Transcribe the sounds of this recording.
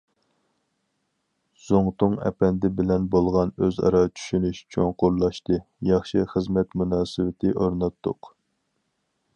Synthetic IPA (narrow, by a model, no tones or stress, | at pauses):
z̥oŋt̪ʊŋɛ̰pɛnd̪ɪbɪlɛnbolˠʁɑnøzɑ̰ɾɑt͡ʃʰy̥ʃynyʃt͡ʃʰoŋqʊɾlˠɑʃt̪ɨ | jɑχʃɨχəzmɛt̪munɑːsɪwɪt̪ʰɪʔoɾnɑt̪ːʊq